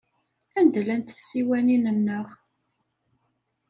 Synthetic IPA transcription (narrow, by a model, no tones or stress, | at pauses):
ænd̪lænt̪θsiwæninənːəʁ